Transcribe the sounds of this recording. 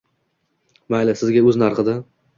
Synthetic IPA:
majlasɪzɡʲaɵznaɾqɨd̪ɪ

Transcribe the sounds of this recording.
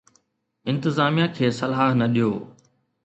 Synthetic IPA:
ɪ̃nt̪ɪzaːmijãkʰeːsɐlaːɦnɐɗijoː

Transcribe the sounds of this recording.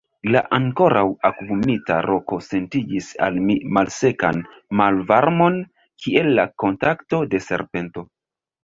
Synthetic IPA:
la̰ʔaŋko̞ɾʔawakvumita̰ɾʔo̞kose̞ntid͡ʒisa̰lmimalse̞kan | malvaɾmo̞n | kʰie̞lːako̞ntakto̞de̞se̞̰ɾpe̞nto̞

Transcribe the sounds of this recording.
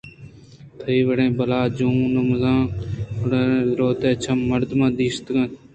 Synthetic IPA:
t̪ʰəiːʋəɽẽːbəlaːd͡ʒũːnməzãːʊɽeːɾoːt̪eːt͡ʃʰəmːəɾd̪mãːd̪iːst̪kən

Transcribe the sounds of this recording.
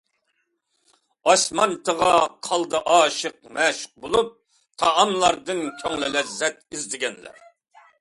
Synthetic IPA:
ɑsmɑnt̪ʰəʁɑqʰɑlˠd̪ɨʔɑːʃəq̚mɛːʃə̥q̚bolˠup̚ | t̪ʰɑːmlˠɑɾd̪ɨnkʲʰøŋlɪlɛzːɛt̪izd̪ɪɡʲɛnlæ̰ɾ

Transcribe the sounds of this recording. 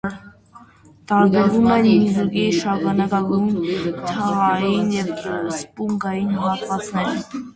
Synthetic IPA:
t̪ɑɾbɛɾvumɛnmizuɡiʃɑkɑnɑkɑɡujnt̪ʰɑʁɑjinjɛvspuŋɡɑjinɦɑt̪vɑt͡sʰnɛɾ

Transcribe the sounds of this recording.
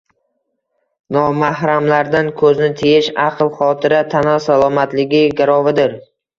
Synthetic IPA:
nɒmahɾamlaɾd̪ankʰɵznɪt̪ʰejɪʃɑqlˠχɒt̪ʰɪɾat̪ʰanɒsalˠɒmat̪lɪɡʲɪɡʲaɾɒvɪd̪ɪɾ

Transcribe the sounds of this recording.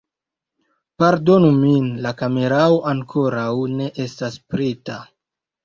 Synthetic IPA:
paɾdo̞numinlakame̞ɾaoʔaŋkʰo̞ɾawne̞ʔe̞staspɾeta

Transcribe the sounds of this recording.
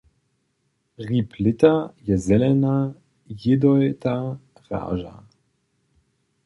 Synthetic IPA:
ʁipʰlɪt̪ajɛzɛlɛna | jɪd̪ɔjt̪a | ʁa̰ːʒa̰

